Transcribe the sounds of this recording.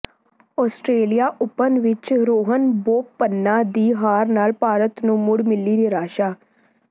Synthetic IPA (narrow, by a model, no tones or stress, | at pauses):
ɔːsʈɾeːlijaːʔʊpənʋɪt͡ʃɾoːɦənboːpːənːaːd̪iːɦaːɾnaːlpaːɾət̪nũːmʊɽmɪlːiːɾiɾaːʃaː